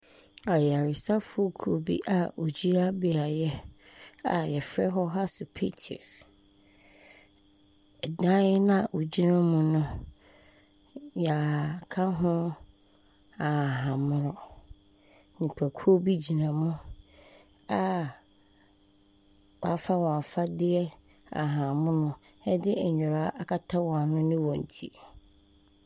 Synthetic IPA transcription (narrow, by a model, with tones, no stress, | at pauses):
a˨jɛ˨a˨ɾɪ˨sa˦fʊ˦o˦kʰu˨o˨bḭ˦ʔa˨ʔo˨d͡ʑi˦ɾa˦bi˨a˨jɛ˦ | a̰˨jɛ˨fɾɛ˦ɦɔ˦ɦa˦sɪ˨pʰi˦tʰḛ˨ɾ | dã˦ɪ˦nã˦˨ʔo˨d͡ʑi˦nã˦mũ˦nʊ̃˦ | ja˨kʰã˦ɦʊ̃˦ | a˨ɦã˨mʊ̃˦ɾɔ˨ | nĩ˨pʰæ˨kʰu˦o˦bi˦d͡ʑi˨nã˨mũ˦ | a˦ | wɔ˨a˦fa˦wɔ̃˨a˨fa˦dɪ˦ɛ˦ | a̰˨ɦã˨mʊ̃˦nʊ̃˦ | ɛ˦dɪ˦ɛ˨ɲᶣʊ˨ɾa˦ʔa˦kʰa˦tʰa˦wɔ̃˨a˨nʊ̃˦nɪ̃˦wɔ̃˨n̩˨tʰḭ˨